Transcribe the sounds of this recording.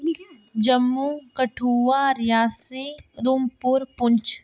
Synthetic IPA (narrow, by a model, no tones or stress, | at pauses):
d͡ʒɐmːukɐʈʰuːʋaɾjaːsed̪umpuɾpʊɲt͡ʃ